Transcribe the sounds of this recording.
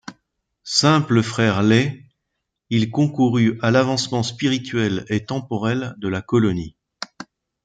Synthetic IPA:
sɛ̃pləfχɛʁlɛ | ilkɔ̃kuʁyalavɑ̃smɑ̃spiʁit̪ɥɛlet̪ɑ̃pɔʁɛld̪əlakɔlɔni

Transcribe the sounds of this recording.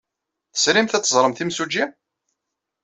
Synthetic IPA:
θə̥sɾimθæt͡sːəzˤɾˤəmθimsud͡ʒi

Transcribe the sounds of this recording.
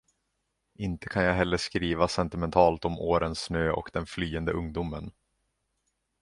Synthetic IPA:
ʔɪnt̪ʰə̥kʰanjaɦɛlːəʂkɾiːvasɛnt̪ɪmɛnt̪ʰɑːlt̪ɔmʔoːɾənsnøːʔɔ̰kd̪ɛnflyːənd̪əʔɵŋd̪umən

